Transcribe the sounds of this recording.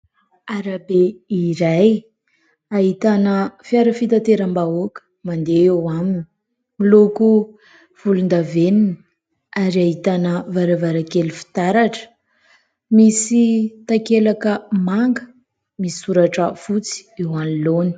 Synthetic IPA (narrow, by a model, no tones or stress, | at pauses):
aɾabeiɾaj | aɦit̪anəfiaɾəfit̪at̪eɾambaokə̥mand̪eewamini | miloku | v̥ulund̪avenini | aɾiaɦit̪anəvaɾavaɾakelufi̥t̪aɾaʈ͡ʂə̥ | misit̪akelakəmaŋɡə | missuɾaʈ͡ʂəfut͡si̥ewaniloni̥